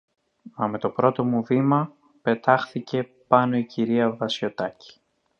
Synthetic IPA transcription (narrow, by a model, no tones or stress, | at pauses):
mɐme̞t̪o̞pɾo̞t̪o̞muvimɐ | pe̞t̪ɐxθice̞pɐno̞iciɾiɐvɐsço̞t̪ɐci̥